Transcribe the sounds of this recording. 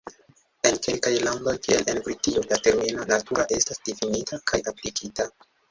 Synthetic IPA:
e̞nke̞lkajlaŋɡo̞jkielʔe̞nbɾitiolate̞ɾminonatuɾaʔe̞stasdifinitʰakʰajaplikʰita

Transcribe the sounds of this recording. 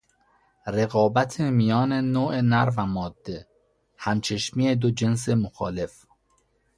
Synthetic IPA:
ɾeɣɒːbæt̪ʰemijɒːnenoːʔenæɾvæmɒːd̪̥ːe | hæmt͡ʃʰeʃmiːed̪od͡ʒe̞ns̬emoxɒːle̞f

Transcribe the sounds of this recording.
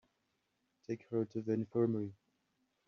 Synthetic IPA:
tʰeɪkhətʰɨðiɪ̃nfɜ˞məɹi

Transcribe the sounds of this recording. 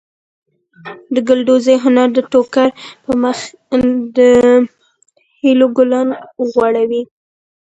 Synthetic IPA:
d̪əɡʊlɖozejɦʊnaɾd̪əʈokaɾpəməx | d̪ə | hiloɡʊlɑnɣwaɽawi

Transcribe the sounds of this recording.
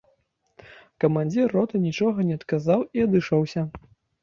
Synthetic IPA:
kɐmanʲd͡zʲirːɔt̪ɐnʲit͡ʂɔɣɐnʲɛɐt̪kazawiɐd̪ɨʂɔwsʲɐ

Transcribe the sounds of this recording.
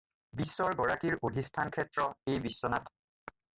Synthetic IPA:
bisːɔɹɡɔɹakiɹodʱistʰankʰɛtɹɔejbisːɔnat

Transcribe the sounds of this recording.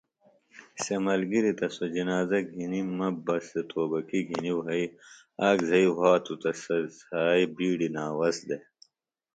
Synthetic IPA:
semɐlɡiɾit̪ɐsod͡ʑinaːzɐɡʱinimɐbɐset̪ʰoːbɐkiɡʱiniwɦɐi | aːɡzɐiɦaːt̪ut̪ɐsɐzaːibiːɖinaːwɐsd̪e

